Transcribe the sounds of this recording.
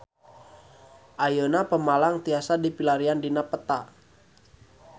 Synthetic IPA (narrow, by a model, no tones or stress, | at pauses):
ʔajonapəmalaŋt̪iasadipilaɾiandinapət̪a